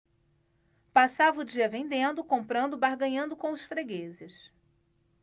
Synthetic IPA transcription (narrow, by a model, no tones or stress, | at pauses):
pasavʊd͡ʒiɐvẽnd̪ẽnd̪ʊkõmpɾɐ̃nd̪ʊbaɾɡɐ̃ɲɐ̃nd̪ʊkõw̃ʊsfɾeɡezɪs